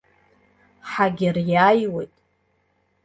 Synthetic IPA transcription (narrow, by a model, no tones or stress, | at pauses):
ħaɡʲɪrjajwejtʼ